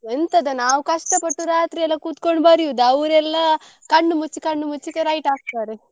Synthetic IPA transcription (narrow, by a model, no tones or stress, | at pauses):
ent̪ɐd̪ɐnaːʋukɐʂʈɐpɐʈːuɾaːt̪ɾiɛlːɐkuːt̪koɳɖbɐɾiud̪ɐʋɾɛlːɐ | kɐɳːumut͡ʃːikɐɳːumut͡ʃːikeɾɐjʈaːk̚t̪aːɾe